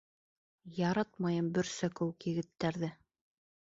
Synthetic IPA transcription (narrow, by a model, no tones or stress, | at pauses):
jɑɾɑt̪mɑjɤmbɵ̆ɾsækɵwɘ̆kjɘ̆ɡɘ̆t̪ːæɾðɘ